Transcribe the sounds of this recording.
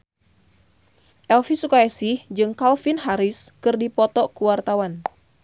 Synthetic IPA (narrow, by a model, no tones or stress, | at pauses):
ʔɛlfisukaɛsihd͡ʒɨŋkalfinɦaɾɪskɨrdipɔt̪ɔkuwart̪awan